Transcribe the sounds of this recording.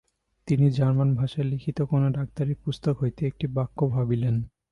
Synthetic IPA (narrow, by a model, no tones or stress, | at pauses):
t̪inid͡ʑaɾmanbʱaʃelikʰit̪okonoɖak̚t̪aɾepust̪okɦojt̪eek̚ʈibakːobʱabilen